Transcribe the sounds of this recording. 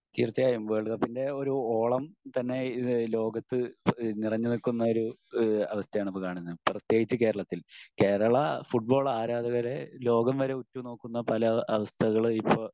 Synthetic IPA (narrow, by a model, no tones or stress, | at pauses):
t͡ɕiːrt͡ɕːɐjaːjumbeːɭɣɐpinde̞o̞ɾuoːɭɐmt̪ɐnːe̞lo̞ːɡɐt̪ːɨnirɐɲːɨnikːunːɐoɾuɐʋɐst̪ʰɐjaːɳipːokaːɳinːɐprɐt̪ːjeːɡit͡ɕːɨke̞ːɾɐɭɐt̪ːilke̞ːɾɐɭɐfuʈ̚bo̞ːɭaːɾaːd̪ɐɣɐɾelo̞ːɡɐmʋɐɾe̞utːuno̞ːkːunːɐpɐlɐɐʋɐst̪ʰɐɣɐɭɨipːo